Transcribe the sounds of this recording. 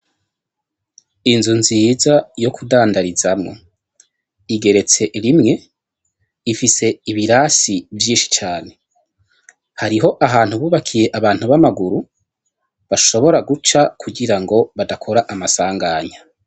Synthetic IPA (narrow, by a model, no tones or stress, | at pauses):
inzunzizajo̞kʰudaːndaɾizamŋo̞̰ | iɡe̞ɾe̞t͡se̞ɾimŋe̞ | ifise̞iβiɾasivjiːnʃi̥t͡ʃaːne̞ | haɾiɦo̞ʔaɦaːn̥huβuːβakʰije̞ʔaβaːn̥huβamaɡuɾu | βaʃo̞βo̞ɾaɡut͡ʃakʰuɡiɾaŋɡo̞βadakʰo̞ɾaʔamasaːŋɡaːɲa